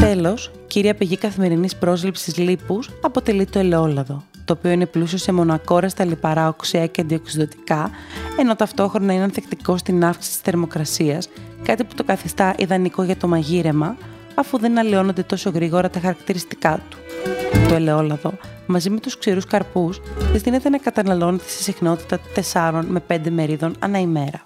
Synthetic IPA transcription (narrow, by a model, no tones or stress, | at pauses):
t̪e̞lo̞s | ciɾiɐpeʝikɐθime̞ɾinispɾo̞zlipsiizlipusɐpo̞t̪e̞lit̪o̞ele̞o̞lɐðo̞ | t̪o̞ːpio̞ine̞plusio̞se̞mo̞nɐko̞ɾɐst̪ɐlipɐɾɐoksiɐceɐnd̪ioksiðo̞t̪i̥kɐe̞no̞t̪ɐft̪o̞xɾo̞nɐineɐnθe̞kt̪iko̞st̪inɐfksi̥sit̪i̥st̪e̞ɾmo̞kɾɐsiɐskɐt̪ipu̥t̪o̞kɐθist̪ɐʔiðɐniko̞ʝɐt̪o̞mɐʝiɾe̞mɐː | fuðe̞nɐlio̞no̞nd̪e̞t̪o̞so̞ɣɾiɣo̞ɾɐt̪ɐxɐɾɐkt̪iɾist̪i̥kɐt̪u̥t̪o̞ele̞o̞lɐðo̞mɐzime̞t̪usksiɾuskɐɾpusizt̪ine̞t̪e̞nɐkɐt̪ɐnɐlo̞nt̪e̥sisixnot̪i̥t̪ɐt̪e̞sɐɾo̞nme̞pe̞nd̪e̞me̞ɾiðo̞nɐ̰nɐime̞ɾɐ